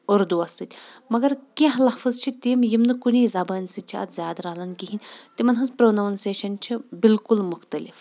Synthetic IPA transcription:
ɐɾd̪uɐsɨt̪ʲmɐɡɐɾkĩɦlɐhfɨzt͡ʃʰit̪iːmjimnɨkunʲiːzɐbɐːnʲsɨt̪̚t͡ʃʰiɐ̰t̪zʲjaːd̪ɾɐɦlɐnkiɦinʲt̪imɐnɦɐzpɾoːnɐːnseːʃɐnt͡ʃʰibilkulmʊxt̪ɐlif

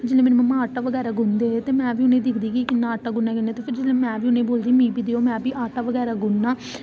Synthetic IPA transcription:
d͡ʒeːleːmeːnːməmːãːaːʈaːʋəɡɛːɾaːɡʊnd̪eːt̪eːmɛ̃ːʋiːʊnẽːd̪ɪkʰd̪iːkikɪnːaːəʈːaːɡʊnːãːkɪneːt̪eːpʰɪɾd͡ʒeːlẽːmɛ̃ːʋiːʊnẽːboːld̪iːmĩːbiːd̪eːoːmɛ̃ːpiːʔaːʈaːʋəɡɛːɾaːɡʊnːãː

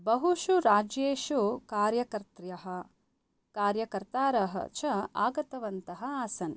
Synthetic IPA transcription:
bɐɦuʃuɾaːd͡ʒjeːʃukaːɾjɐkɐɾt̪ɾjɐɦɐ̆ | kaːɾjɐkɐɾt̪aːɾɐɦɐ̰t͡ʃʰɐaːɡɐt̪ɐʋɐnt̪ɐɦɐ̆aːsɐn

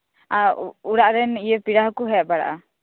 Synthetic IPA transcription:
auɽaʔɾɛnijɛpiɽaɦɔkuɦɛbaɽa̰ʔa

